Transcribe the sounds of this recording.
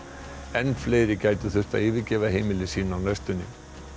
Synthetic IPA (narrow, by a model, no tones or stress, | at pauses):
ɛnːfleːjɾɪcaːjt̪ʏθʏr̥t̪a̰ðɪːvɪcɛːvaɦejmɪlɪsiːnaawnajst̪ʏnːɪ